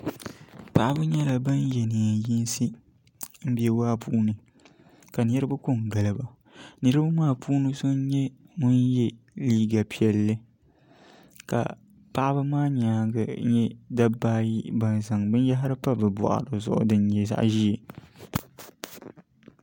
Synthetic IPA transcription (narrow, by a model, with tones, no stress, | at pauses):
pa˨ʔa˦bɨ˦ɲɛ˦la˨ba˦njɛ˨nɨ˨ji˦n˦sɨ˦ | m̩˦bi˦ɛ˦waː˦puː˦nɨ˨ | ka˨nɨ˦ɾɨ˦bɨ˦kʊ˦ŋɡa˨lɨ˨ba˨ | nɨ˦ɾɨ˦ba˦maː˦pʰuː˦nɨ˨so˦n˦ɲɛ˦ŋʊ˦njɛ˦ | liː˦ɡa˨pi˨ɛ˨lːɨ˦ | ka̰˨ | pa˦ʔa˦bɨ˦maː˦ɲaː˨ɡa˨˦ɲɛ˦da˦baː˦ji˦ba˨nza˨ŋbɨ˦n˦ja˦ɦa˦ɾɨ˦pa˦bɨ˨bɔ̰˨ʔa̰˨ɾɨ˨zʊ̰˦˨ʔʊ̰˦dɨ˦n˦ɲɛ˨za̰˦ʔʒi˦e˨